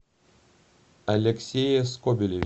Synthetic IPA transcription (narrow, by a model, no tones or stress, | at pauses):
ɐlʲɛkʲsʲejeskɔbʲɪlʲe